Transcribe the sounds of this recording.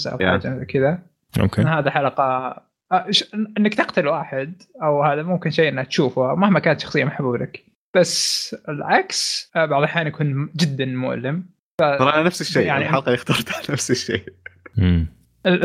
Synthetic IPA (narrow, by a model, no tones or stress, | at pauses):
sʔa̰wa̰ːd͡ʒankɪða | o̰kḛhaːðiħalɑqɑ | ʃʔɪnːakt̪ɪqt̪alwaːħɪd̪ | ʔawhaːðamʊmkɪnʃeːʔɪnːakt̪ʃuːfʊhawmahmakaːnat̪ʃɑxsˤɨjːamaħbublak | b̥asːɪlʕaksbaʕðˤɑħjaːnjakuːnd͡ʒɪd̪ːanmʊ̰ʔlɪm | faɑɾˤaanafsɪʃːeːjaʕniħalqɑjɪxt̪ɑɾˤt̪anafsɪʃːḛː | ɪ